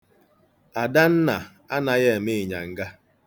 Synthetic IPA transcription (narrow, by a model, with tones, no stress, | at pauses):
a˨da˦n̩˦na˨ | a˦na˨ɣe˦˨mɪ˦˨ɲa̰˨ŋ̩˦ɡa˦